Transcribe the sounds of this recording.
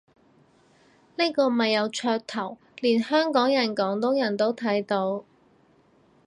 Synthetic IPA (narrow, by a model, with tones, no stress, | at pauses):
ne˥kɔː˧mɐ˨jːɐ˨˧wt͡ʃʰœː˧k̚t̪ʰɐ˨˩w | liː˨˩nhœː˥ŋkɔː˨˥ŋjɐ˨˩nkɔː˨˥ŋt̪ʊ˨˥ŋjɐ˨˩nt̪o˥wt̪ʰɐ˨˥jt̪o˧w